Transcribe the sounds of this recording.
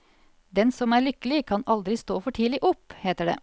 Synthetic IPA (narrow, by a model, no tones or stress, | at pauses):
d̪ɛnsɔmæːɭʏkəlɪkʰɑnɑld̪ɾɪst̪oːfɔʈʰiːlɪʔɔpːheːt̪əɖḛː